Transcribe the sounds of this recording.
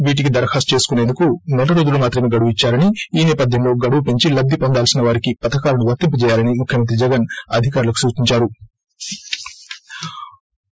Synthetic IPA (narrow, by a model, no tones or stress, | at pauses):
ʋiːʈ̬ik̬id̪ɐɾɐhaːst͡ʃe̞ːsu̥kune̞ːnd̪ukunɛlːɐɾo̞ːd͡ʒulumaːt̪ɾɐme̞ːɡɐɽuʋuit͡ʃːaːɾɐniiːnɛːpɐd̪ʱjɐmlo̞ːɡɐɽuʋupe̞ɲt͡ʃilɐɡ̚d̪ːipond̪aːlsinɐʋaːɾikipɐt̪ɐkaːlɐnuʋɐk̚t̪impɐt͡ʃɛːjaːlɐnimukʰjɐmɐnt̪ɾid͡ʒɛɡɐnɐd̪ʱikaːɾulɐku̥suːt͡ʃiɲt͡ʃaːɾu